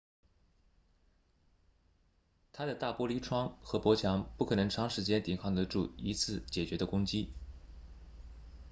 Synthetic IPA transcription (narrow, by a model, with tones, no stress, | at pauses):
t̪ʰa˥d̪ə˨t̪a˥˩pwɔ˥li˧˥ʈ͡ʂʰwɑ˥ŋxɤ˧˥pwɔ˧˥t͡ɕʰjɑ˧˥ŋpu˥˩kʰɤ˨˩nɤ˧˥ŋʈ͡ʂʰɑ˥ŋʂɻ̩˧˥t͡ɕjɛ˥nt̪i˨˩ŋkʰɑ˥˩ŋd̪ə˩ʈ͡ʂu˥˩i˧˥t͡sʰɹ̩˥˩t͡ɕjɛ˨˩t͡ɕɥɛ˧˥d̪ə˧kʊ˥ŋt͡ɕi˥